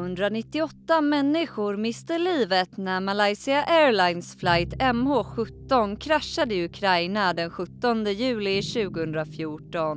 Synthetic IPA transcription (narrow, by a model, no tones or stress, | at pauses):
ɵnd̪ɾanɪt̪ːɪɔt̪ːamɛnːɪɧʊɾmɪst̪əliːvət̪næɾmalajsɪaʔɛːɾlajnsflajt̪ɛmhoːɧɵt̪ːɔnkʰɾaʃːad̪əɪɵkʰɾajnad̪ɛnɧɵt̪ːɔnd̪əjʉ̟ːlɪɕʉ̟ːɡʊhɵnd̪ɾafjuːʈɔn